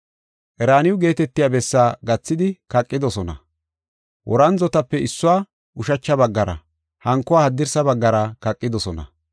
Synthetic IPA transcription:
ʔɛɾaːnɪwʊɡe̞ːt̪ɛt̪ːɪjabɛsːaːɡɐt͡sːɪd̪ɪkɐkʼːɪd̪ɔsɔnɐ̰ | wʔɔɾɐnzɔt̪ɐpːɛɪsːʊaː | ʔʊʃɐt͡ʃːɐbɐɡːɐɾɐ̰ | hɐŋkːɔwaːhɐd̪ːɪɾsɐbɐɡːɐɾɐkɐkʼːɪd̪ɔsɔnɐ̰

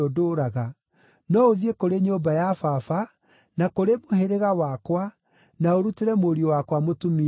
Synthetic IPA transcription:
odoɾaɣa | nɔoðiekoɾeɲobajafafa | nakoɾemoheɾeɣawakwa | naoɾuteɾɛmoɾiɔwakwamotumi

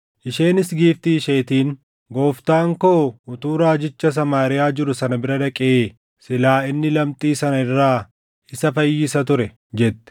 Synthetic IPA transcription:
ʔɪʃeːnɪsɡiːft̪iːʃeːt̪iːŋ | ɡo̞ːft̪aːŋkoːʊt̪uːɾaːd͡ʒɪt͡ʃːɐs̬ɐmaːɾɪjaːd͡ʒɪɾʊsɐnɐbɪɾɐd̪ɐkʼɪʔeː | sɪlaːɪnːɪlɐmt̪ʼiːsɐnɐɪrːaː | ɪsɐfɐjːɪsɐt̪ʊɾɛ | d͡ʒɛt̪ːɛ̥

